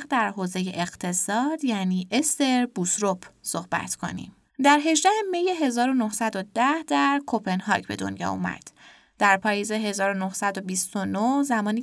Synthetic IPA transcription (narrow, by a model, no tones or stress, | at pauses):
d̪æɾɦoːze̞jeʔeɣt̪ʰe̞sɒːd̪jæːniːʔest̪e̞ɾbusɾopʰso̞hbæ̰t̪ʰkʰo̞̰nḭm | d̪æɾɦe̞ʒd̪æhemejeɦe̞zɒːɾo̞no̞hsæd̪od̪æhd̪æɾkʰo̞pʰe̞nɦɒ̰cbe̞̰d̪o̰njɒ̰ṵmæ̰d̪̥ː | æɾpʰɒːjeze̞ɦe̞zɒːɾonohsæd̪o̞bist̪onohzæmɒːniː